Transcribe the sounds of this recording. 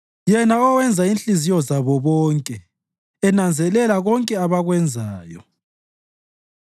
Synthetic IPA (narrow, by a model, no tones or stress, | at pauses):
jɛnaɔwɛnd͡zʱainɬizijɔzaβɔβɔːŋkʼɛː | nand͡zʱɛlɛlaɣɔŋkʼɛaβaɣwɛnd͡zʱaːjɔ